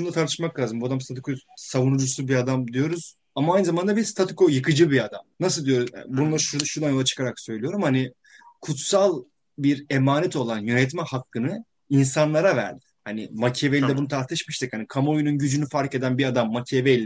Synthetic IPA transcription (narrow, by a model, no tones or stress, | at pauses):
ʃund̪at̪aɾt̪ʰɯ̥ʃmaklʲaːzɯmbuad̪amst̪ʰat̪ʰikʰosavunud͡ʒusubiad̪amd̪ijo̞ɾuz̥ | amaːjnɯzamand̪abiɾst̪ʰat̪ʰɯkojɯkɯd͡ʒɯbiad̪amnasɯlˠd̪ijo̞ɾuz̰bununˠaɾʃuʃuɾd̪anjo̞lˠat͡ʃʰɯ̥kʰaɾaksøjlʲijo̞ɾumhanɪ | kʰut̪salˠ | biɾe̞maːnɛt̪ʰo̞lˠanjø̞nɛt̪mɛhakːɯnɯ | insanlˠaɾavæ̰ɾd̪ɪ̥hanɪmacʰe̞velʲd̪ɛbunut̪ʰaɾt̪ʰɯʃmiʃt̪ʰɛchanikʰamaojununɟyd͡ʒynyfaɾce̞d̪ænbiad̪amːacʰevelʲ